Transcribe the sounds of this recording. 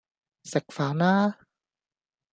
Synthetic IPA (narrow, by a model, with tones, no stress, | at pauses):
se˨˩k̚faː˨˦naː˦˥